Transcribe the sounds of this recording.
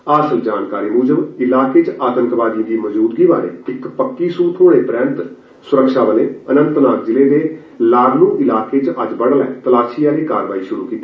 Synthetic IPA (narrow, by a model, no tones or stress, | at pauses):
aːsəld͡ʒaːnkaːɾiːmuːd͡ʒəbɪlaːkeːt͡ʃaːt̪ə̃nt̪ʋaːd̪ĩd̪iːməzuːd̪ɡiːʋaːnḛːɪkpəkːiːsuːt̪ʰɦoːɽeːpɾɛ̃ːnt̪ | sʊɾəkʃaːbəlẽːənə̃nt̪naːkd͡ʒɪleːd̪eː | laːɡnũːʔɪlaːkeːt͡ʃʔəd͡ʒbəɽlɛːt̪əlaːʃiːjãːniːkaːɾʋaːiːʃʊɾuːkiːt̪ː